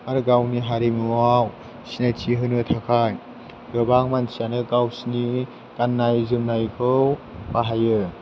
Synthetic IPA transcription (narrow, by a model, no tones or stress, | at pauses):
aɾɡawniɦaɾimɯaw | sinajtʰiɦɯnɯtʰakʰaj | ɾɯbaŋmansʰianɯɡawsni | ɡ̥anːajzɯmnajkʰɯwbaɦajɯ